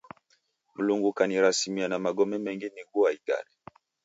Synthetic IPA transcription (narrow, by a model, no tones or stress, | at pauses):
m̩luŋɡukaniɾasimianamaɡɔmɛmɛŋɡiniɡuaita̰li